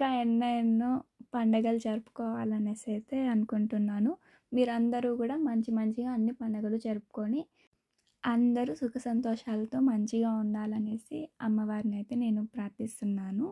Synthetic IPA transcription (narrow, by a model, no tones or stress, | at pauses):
kaːɛnːɐjɐnːupɐɳɖɐɡɐlut͡ʃɐɾupu̥kɔːʋaːlɐneːsejt̪eːɐnukuɳʈunːaːnu | miːɾɐnd̪ɐɾuːkuːɽaːmɐɲt͡ʃimɐɲt͡ʃiɡaːɐnːipɐɳɖɐɡɐlut͡ʃɐɾupu̥ko̞ːni | ɐnd̪ɐɾusukʰɐsɐnt̪ɔːʂaːlɐt̪o̞ːmɐɲt͡ʃiɡaːund̪aːlɐne̞ːsiɐmːɐʋaːɾniɐjt̪e̞ːne̞ːnupɾaːɾt̪ist̪unːaːnu